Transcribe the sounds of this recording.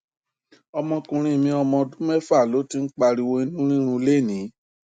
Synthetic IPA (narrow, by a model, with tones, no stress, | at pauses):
ɔ˧mɔ̃˧kũ˨ɾ̃ĩ˧˨mĩ˧ɔ˧mɔ̃˧dũ˦mɛ˦fa˦˨lo˨˦ti˧˦n̩˦k͡pa˧ɾi˧wo˧i˧nũ˦ɾĩ˦ɾ̃ũ˧le˦˨nĩ˨˦